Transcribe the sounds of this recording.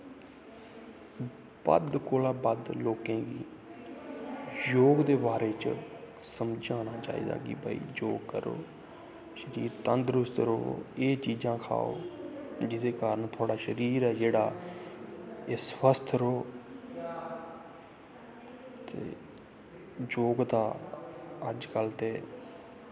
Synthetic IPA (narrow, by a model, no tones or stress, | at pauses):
b̥ə̰d̪koːlãːbəd̪loːkẽːɡiː | joːɡd̪eːbaːɾeːt͡ʃ | səmd͡ʒaːñaːt͡ʃa̰ːḭːd̪a̰ːɡḭːba̰ːḭːd͡ʒoːɡkəɾo̰ː | ʃəɾiːɾt̪ənd̪ɾʊst̪ɾo̰ːeːt͡ʃiːd͡ʒãːkʰa̰ːo̰ːd͡ʒɪd̪eːkaːɾəɳt̪ʰʊaːɽaːʃəɾiːɾɛːd͡ʒeːɽaː | eːsʋəst̪ʰɾoː | t̪ḛː | d͡ʒoːɡt̪aː | əd͡ʒkəlt̪eː